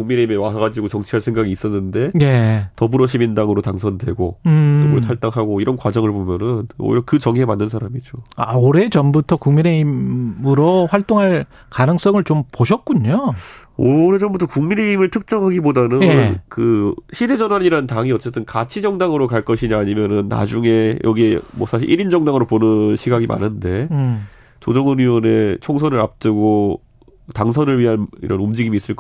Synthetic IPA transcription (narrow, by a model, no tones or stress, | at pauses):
kuŋmine̞imewaɦaɡad͡ʑiɡot͡ɕʌŋt͡ɕʰiɦaɭsʰe̞ŋɡaɡiːs͈ʌnːɯnde̞jetʌbuɾʌɕʰimindaŋɯɾotaŋsʰʌndwe̞̰ɡoɯtobuɾotʰaɭt͈aŋɦaɡoiɾʌnkwad͡ʑʌŋɯɭpomjʌnɯno̰iɾʌkɯt͡ɕʌŋiɦemanːɯnsʰaɾamid͡ʑoa̰oɾe̞t͡ɕʌmbutʰʌkuŋmine̞imɯɾoɸwaɭt͈oŋɦaɭ | kanɯŋs͈ʌŋɯɭt͡ɕompoɕ̬ʰʌt̚k͈uɲooɾed͡ʑʌmbutʰʌkuŋmine̞imɯɭtʰɯk̚t͡ɕ͈ʌŋɦaɡibodanɯnkɯɕʰide̞d͡ʑʌnɦaɲiɾantaŋiʌt͡ɕ͈e̞t͈ɯnkat͡ɕʰid͡ʑʌŋdaŋɯɾokaɭk͈ʌɕʰiɲaːɲimjʌnɯnːa̰d͡ʑuŋe̞jʔʌɡie̞mwʌ̰sʰaɕ̬ʰiɭʔiɾind͡ʑʌŋdaŋɯɾoponɯnɕʰiɡaɡimʔa̰nɯnde̞ | t͡ɕod͡ʑʌŋɯnɥiwʌne̞t͡ɕʰoŋsʰʌnɯɾap̚t͈ɯɡo | taŋsʰʌnɯɭɥiɦanḭɾʌnumd͡ʑiɡimiːs͈ɯɭk